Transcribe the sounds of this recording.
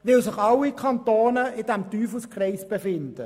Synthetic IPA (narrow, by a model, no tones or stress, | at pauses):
ʋɪlsɪχɑlːikʰɑnt̪oːnəʔɪd̥æmtyːfəskrɛɪsb̥efɪnd̥ə